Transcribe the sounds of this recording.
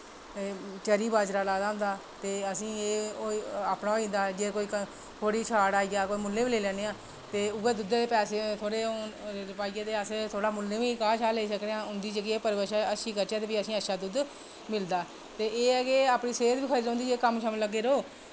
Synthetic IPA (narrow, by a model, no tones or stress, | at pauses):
t͡ʃəɾiːbaːd͡ʒɾaːlaːd̪aːʊ̃nd̪aːt̪eːəsĩːeːoaːpnaːĩːnd̪aːd͡ʒeːkoːiːk | t̪ʰoːɽiːt͡ʃʰaːɽaːiːaːkoːiːmʊlːẽːʋiːleːlɛːneːãː | t̪eːʊɡeːd̪ʊd̪eːd̪eːpɛːseːt̪ʰoːɽeːɾɪpaːijãːd̪eːəseːt̪ʰoːɽaːmʊlːẽːʋiːkãːt͡ʃʰaːleːs̬əkɽeãːʊ̃nd̪iːd͡ʒəɡiːeːpəɾʋəʃaːəʃiːkəɾt͡ʃaːt̪eːbiəsĩːəʃaːd̪ud̪ | mɪld̪aː | t̪eːeːɛːkeaːpɳiːseːət̪ʋiːkʰəɾiːd̪õːnd̪iːd͡ʒeːkəmʃaːmələɡːeːɾoː